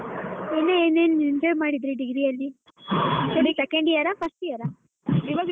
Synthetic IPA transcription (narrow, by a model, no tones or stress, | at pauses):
eːneeːneːnind͡ʒojʋmaːɽid̪ɾiɖiɡɾiɐlːi | tolisekeɳɖijɐɾapʰɐsʈijɐɾa | iʋɐɡ